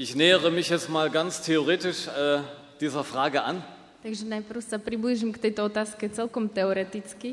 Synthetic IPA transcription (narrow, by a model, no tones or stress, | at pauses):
ʔɪçnɛːəʁəmɪçjɛt͡stmaːlɡant͡stʰeoʁeːtɪʃɛː | d̥iːzɐfʁ̥aːɡəʔa̰n | t̪aɡʒɛnajpr̩ʊsapɾibliʒimkt̪ɛjt̪ɔɔt̪aːskɛt͡sɛlkɔmt̪ɛɔɾɛt̪it͡ski